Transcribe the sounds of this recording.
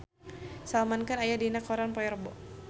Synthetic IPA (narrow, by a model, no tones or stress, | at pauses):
salmankanajadinakɔɾanpɔɛrbɔ